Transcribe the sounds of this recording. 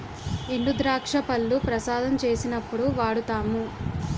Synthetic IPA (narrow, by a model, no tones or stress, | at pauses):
eɳɖud̪ɾaːkʂɐpɐlːupɾɐsaːd̪ɐmt͡ʃe̞ːsinɐpːuɽuʋaːɽut̪aːmu